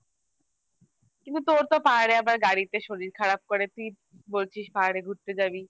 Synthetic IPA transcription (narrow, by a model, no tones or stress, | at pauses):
kint̪ut̪oɾt̪opaɦaɽeabaɾɡaɽit̪eʃoɾiɾkʰaɾap̚koɾet̪i | bolt͡ɕʰiʃpaɦaɽeɡʱuɾt̪ed͡ʑabi